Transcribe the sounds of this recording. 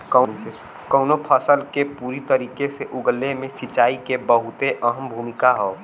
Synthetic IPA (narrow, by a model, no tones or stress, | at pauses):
kə | kəʊnopʰəsəlkepuːɾit̪əɾiːkeseʔʊɡəlemẽsɪt͡ʃːaːikebəɦʊt̪eʔəɦəmbʱuːmɪkaɦoː